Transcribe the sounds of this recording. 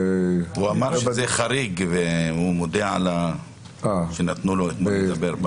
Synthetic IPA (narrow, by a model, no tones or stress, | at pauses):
uamaɾʃezeχaɾiɡveumod̪eʕala | aʃenat̪nuloet̪majed̪abeɾb